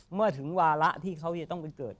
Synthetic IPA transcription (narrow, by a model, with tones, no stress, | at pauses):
mɯ˥˩ɐt̪ʰɯ˩˦ŋwaː˧ɾa˦˥ʔt̪ʰiː˥˩kʰa˦˥wja˨˩t̪ɔ˥˩ŋpe˧nkɤː˨˩t̪̚